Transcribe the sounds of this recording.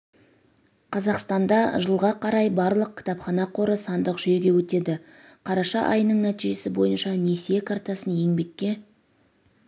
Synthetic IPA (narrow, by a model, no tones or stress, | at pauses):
qʰɑzɑqst̪ɑnd̪ɑʒəlˠʁɑqʰɑɾɑjbɑɾlˠəq̚kʲʰɪ̥t̪ɑpχɑnɑqʰo̞ɾəsɑnd̪əqʒ̥ʏje̞ɡʲe̞wɵt̪e̞d̪ɪ | qʰɑɾɑʃɑʔɑ̰jənəɴnæt̪iʒe̞sɪbo̞jənʃɑne̞sijekʰɑrt̪ɑsənje̞ŋbe̞kʲːe̞